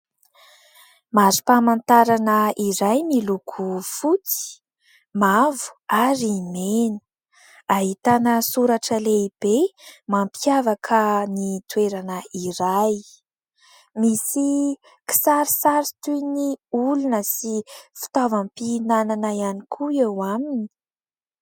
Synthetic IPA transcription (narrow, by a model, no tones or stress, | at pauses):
mazi̥pamant̪aɾanəiɾajmilukʰufut͡si̥ | mavu̥aɾimenu̥ | aɦit̪anəsuɾaʈ͡ʂəleib̥emampiavakʰənit̪weɾanəiɾaj | misi | ki̥saɾisaɾit̪ujniulunəsifi̥t̪avampinananaianikʰuewamini̥